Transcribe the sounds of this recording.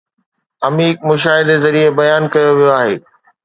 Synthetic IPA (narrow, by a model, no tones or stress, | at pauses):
ɐmiːkmʊʃaːɦɪd̪ezɐɾiebɐjaːnkɐjoʋijoaːɦeː